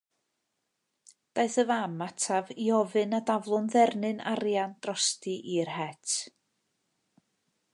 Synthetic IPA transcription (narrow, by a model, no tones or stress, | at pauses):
d̥aɨθəvamatʰaviɔvɨnadavlˠʊnðɛrnɨna̰rjand̥rɔstɨʔirhɛtʰ